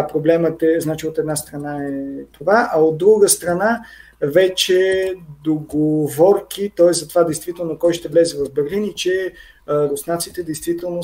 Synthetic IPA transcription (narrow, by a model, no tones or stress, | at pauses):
pɾoblɛmət̪ɛznat͡ʃiot̪ɛd̪nast̪ɾɐnaɛt̪ovaʔɐod̪dːɾuɡəst̪ɾɐna | vɛt͡ʃɛd̪oɡovɔɾkʰit̪ɔɛszɐt̪ovad̪ɛjst̪vit̪ɛlˠnokɔjʃt̪ɛvlɛzɛvɐvbɛɾlinit͡ʃɛ | ɾosnat̪sit̪ɛd̪ɛjst̪vit̪ɛlˠno